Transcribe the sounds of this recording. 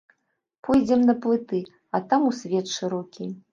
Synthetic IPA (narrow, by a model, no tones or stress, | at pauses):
pʰɔjd͡zʲɛmnɐplˠɨt̪ɨ | ɐt̪amusʲvʲɛt̪ʂɨɾɔkʲi